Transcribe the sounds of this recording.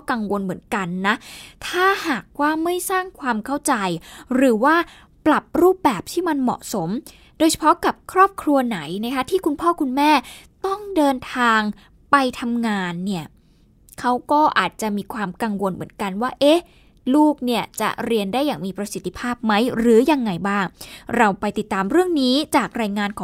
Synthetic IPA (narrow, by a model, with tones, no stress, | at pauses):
ka˧ŋwo˧nmɯ˩˦ənka˧nːa˦˥t̪ʰaː˥˩haː˨˩k̚waː˥˩ma˥˩jsaː˥˩ŋkʰwaː˧mkʰa˥˩wt͡ɕa˧jɾɯː˩˦waː˥˩ | pla˨˩p̚ɾuː˥˩p̚bɛː˨˩p̚t̪ʰiː˥˩ma˧nmɔ̰˨˩ʔso˩˦m | doː˧jt͡ɕʰa˧pʰɔ˦˥ka˨˩p̚kʰɾɔː˥˩p̚kʰɾu˧ɐna˩˦jna˦˥kʰa˦˥t̪ʰiː˥˩kʰu˧npʰɔː˥˩kʰu˧nmɛː˥˩t̪ɔ˥˩ŋdɤː˧nt̪ʰaː˧ŋ | pa˧jt̪ʰa˧mŋaː˧nːi˥˩ə | kʰa˦˥wkɔː˥˩ʔaː˨˩t̪̚t͡ɕa˨˩ʔmiː˧kʰwaː˧mka˧ŋwo˧nmɯ̰˩˦ənka˧nwaː˥˩ʔe˦˥ | luː˥˩k̚ni˥˩ɐt͡ɕa̰˨˩ɾi˧əndaː˥˩jːaː˨˩ŋmiː˧pɾa˧si˨˩t̪ʰːi˧pʰaː˥˩p̚ma˦˥jɾɯː˩˦ja˧ŋːa˧jbaː˥˩ŋɾa˧wpa˧jt̪i˨˩t̪ːaː˧mɾɯ˥˩əŋniː˦˥t͡ɕaː˨˩k̚ɾaː˧jŋaː˧nkʰɔː˨˦